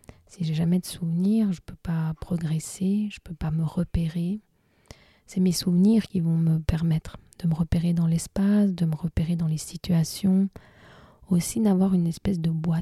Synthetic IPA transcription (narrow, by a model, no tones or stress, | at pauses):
siʒɛʒamɛd̪əsuvniːʁʒəpøpapχɔɡʁɛseʒ̥əpøpaməʁəpeʁe | sɛmesuvniʁkʲivɔ̃məpɛʁmɛt̪χd̪̥əməʁəpeʁed̪ɑ̃lɛspasd̪əməʁəpeʁed̪ɑ̃lesit̪ɥasjɔ̃ | osinavwaʁynɛspɛsd̪əbwa